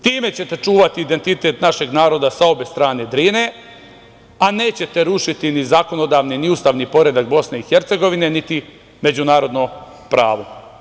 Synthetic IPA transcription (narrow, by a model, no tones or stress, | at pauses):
t̪iːme̞t͡ɕe̞t̪e̞t͡ʃuːʋat̪iːd̪e̞nt̪it̪e̞t̪naʃe̞ɡnaːɾo̞d̪asao̞best̪ɾaːne̞d̪ɾiːne̞ | aneːt͡ɕe̞t̪e̞ɾuʃit̪inizako̞no̞d̪aːʋniniuːst̪aːʋniːpo̞ɾe̞d̪ak̚bo̞sne̞ixeɾt̪se̞ɡo̞ʋine̞nit̪i | med͡ʑunaːɾo̞d̪no | pɾa̰ːʋo̞